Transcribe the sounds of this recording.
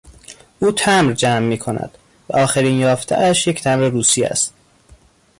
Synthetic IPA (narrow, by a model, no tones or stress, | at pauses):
ʔuːt̪ʰæmɾd͡ʒæmːiːkʰonæ̰d̪̥ | væʔɒːxeɾiːnjɒːft̪ʰæ̰ʔæʃje̞cʰt̪ʰæmɾeɾuːsiæ̰st̪̚